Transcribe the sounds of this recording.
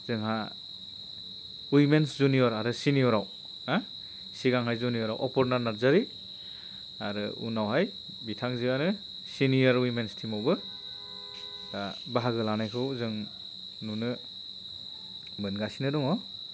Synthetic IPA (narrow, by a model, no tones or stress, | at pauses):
z̥ɯŋɦa | wimenszunijɔɾaɾɯsinijɔɾaw | a | siɡaŋɦajzunijɔɾawʔɔpɔɾnaɾnaɾzaɾi | aɾɯṵnawɦaj | bitʰaŋziaɾɯ | sinijaɾwimenstʰimɔwbɯ | abaɦaɡɯlanajkʰɯwzɯŋ | nunɯ | mɯnɡasinɯdɔŋɔ